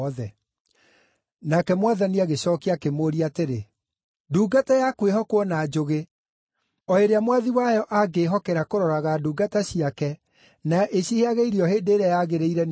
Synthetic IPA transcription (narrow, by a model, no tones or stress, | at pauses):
ðɛ | nakɛmwaðaniaɣeɕɔːkiakemoːɾiateɾe | duːɡatajakweɦɔkwɔnaːd͡ʒoɣe | ɔeɾeamwaðiwajɔʔaɡeːɦɔkɛɾakoɾɔɾaɣaduːɡataɕiakɛ | naʔeɕiheaɣeiɾiɔɦeːndeːɾeajaɣeɾeiɾɛn